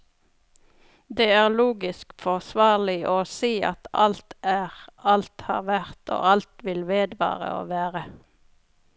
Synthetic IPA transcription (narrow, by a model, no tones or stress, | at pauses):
d̪eːæːʁluːɡɪskfɔʁsʋɑːʁlɪʔoːsiːʔɑ̰t̪ɑlt̪æːʁɑlt̪hɑ̰ːʁʋæʁt̪o̰ːʔɑlt̪ʋɪlʋeːd̪ʋɑ̰ːʁə̰o̰ːʋæːʁə